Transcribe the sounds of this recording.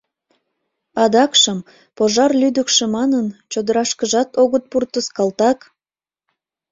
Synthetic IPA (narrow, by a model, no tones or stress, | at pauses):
ɑd̪ɑkʃəm | poʒɑrlyd̪əkʃĕmɑnənt͡ɕod̪əɾɑʃkəʒɑt̪oɣət̪̚purt̪əskɑlt̪ɑk